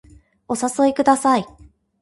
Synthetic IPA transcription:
o̞saso̞ekɯ̟d̪asai

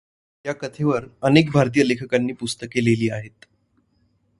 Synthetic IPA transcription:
jjakət̪ʰeʋəɾənek̚bʱaɾt̪̬ijəlekʰəkanːiːpust̪əkeleliːaɦet̪

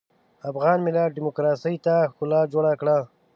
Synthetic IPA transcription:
afɣɑnmɪlaɖɪmʊkɾɑsəjt̪axʊlɑd͡ʒoɽakɽa

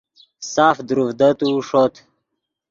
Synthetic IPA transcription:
saːfd̪uɾufd̪ət̪uːʂot̪ʰ

